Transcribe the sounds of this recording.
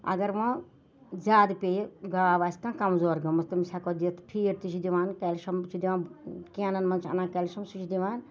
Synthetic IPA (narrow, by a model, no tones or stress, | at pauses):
ɐ̰ɡɐɾʋɐ̃ | zʲaːd̪pʲejɡaːʋaːsʲkãːkɐmzoːɾɡɐmɐst̪ɐmisakod̪iɐt̪pʰiːɾt̪it͡ʃʰid̪iʋaːnkɐːlʃɐmt͡ʃʰid̪iʋãːnkeːnɐnmɐnt͡ʃʰɐ̰nãːkɐlʃɐmsut͡ʃʰid̪iʋaːn